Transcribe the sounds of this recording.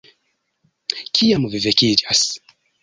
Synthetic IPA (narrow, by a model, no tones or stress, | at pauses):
kʰijamuvivɛkidas